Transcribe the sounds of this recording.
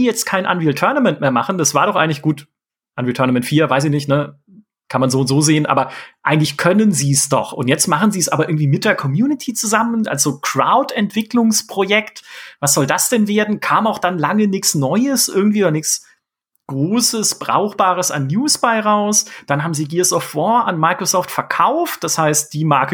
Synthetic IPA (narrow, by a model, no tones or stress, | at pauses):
ijɛt͡stkʰaɪnʔa̰nviltʰœɐnamɛntmeːɐmaχn̩d̥asv̥aːɐɾɔχʔaɪɡŋ̩lɪçɡ̥uːt | ʔanvitʰœɐnamɛntfiːɐvaɪs̬ɪçnɪçtnə | kʰanmanzoːʊntz̥oːzeːənʔa̰ːbɐʔaɪɡŋ̩tlɪçkʰœnənziːsd̥ɔ̰χʊ̰ntjɛt͡stmaχn̩ziːsʔaːbɐʔɪɐɡŋ̩tv̥iːmɪt̚d̥eːɐkʰɔmjuːnɪtʰiːt͡suzamənʔa̰lsz̥oːkʁ̥a̰ʊtɛntv̥ɪklʊŋspʁ̥ojɛktvas̬z̥ɔldasd̥ɛnveːɐdn̩kʰaːmaʊxd̥anlaŋənɪçsnɔʏəsʔɪɐɡŋ̩tv̥iːdnɪçs | ɡ̥ʁoːsəsb̥ʁa̰ʊxb̥aːʁəsa̰nːjuːsb̥aɪʁaʊsd̥anhaːbm̩ziːɡiːəsɔftv̥ɔa̰nmaɪkʁ̥osɔːftfɛɐkʰaʊft̚d̥ashaɪst̚d̥iːmaɐkə